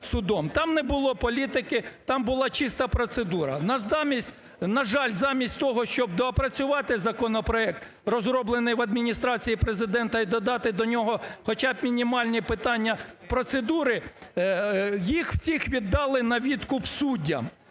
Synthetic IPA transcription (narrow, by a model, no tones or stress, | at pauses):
sʊd̪ɔmt̪ɑmnɛbʊlˠɔpɔlʲit̪ɪkɪt̪ɑmbʊlˠɑt͡ʃist̪ɐpɾɔt̪sed̪uɾɐ̰nɐzmʲisʲtʲ | nɐʒɑlʲzɑmʲisʲtʲt̪ɔɦɔʃt͡ʃɔb̚d̪ɔpɾɐt͡sʲʊʋɑt̪ɪzɐkɔnɔpɾɔɛk̚t̪ | rɔzɾɔblˠenɪjʋɐd̪mʲinʲist̪ɾɑt͡sʲijipɾezɪd̪ɛnt̪ɐid̪ɔd̪ɑt̪ɪd̪ɔnʲɔɦɔxɔt͡ʃɑbmʲinʲimɑlʲnʲipɪt̪ɑnʲːɐpɾɔt̪sed̪uɾɪ | jixw̥sʲixʋʲid̪ːɑlˠɪnɐʋʲid̪kʊpsudʲːɐ̰